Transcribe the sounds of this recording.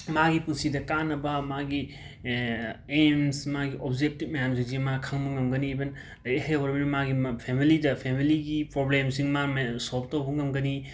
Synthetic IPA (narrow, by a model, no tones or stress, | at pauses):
maɡipunsidɐkanːɐbɐmaɡi | emsmaɡiʔopd͡ʒek̚tip̚mɐjams̬iŋzimakʰaŋbɐŋɐmɡɐnibɐn | lɐjehajwɐɾbɐnimaɡipʰemilidɐpʰemiliɡipɾoblemsiŋmamesolb̚towbɐŋɐmɡɐni